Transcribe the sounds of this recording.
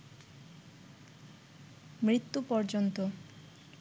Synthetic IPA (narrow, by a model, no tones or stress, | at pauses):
mɾit̪ːupɔɾd͡ʑont̪o